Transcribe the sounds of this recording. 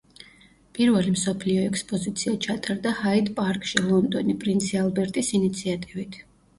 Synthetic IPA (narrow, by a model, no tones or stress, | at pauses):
pʼiɾvɛlimsɔpʰliɔɛkʰspʼɔzit̪sʰiat͡ʃʰat̪ʼaɾd̪ahaid̪pʼaɾkʼʃilˠɔnd̪ɔnipʼɾint̪sʰialˠbɛɾt̪ʼisinit̪sʰiat̪ʼivit̪ʰ